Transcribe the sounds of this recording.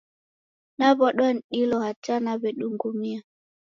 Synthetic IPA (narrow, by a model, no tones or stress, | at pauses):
naβɔɗwɔn̩ɗilɔhat͡ʃanaβɛɗuŋɡumia